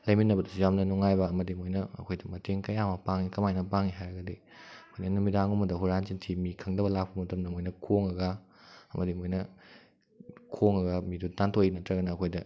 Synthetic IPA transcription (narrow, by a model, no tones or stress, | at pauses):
lɐjminɐbɐdɐsujamnɐnuŋajbɐɐmɐdimojnɐ̰ːkʰojdɐmɐteŋkɐjamɐpaŋikɐmajnɐpaŋiɦajɾɐɡɐdi | ɐkʰojnɐnumidaŋumɐdɐɦuɾanzintʰimikʰɐŋdɐbɐlak̚pɐmɐtɐmdɐmojnɐkʰoŋɐɡɐ | ɐmɐdimojnɐ | kʰoŋɐɡɐmidutantʰojinɐtɾɐɡɐnɐːkʰojdɐ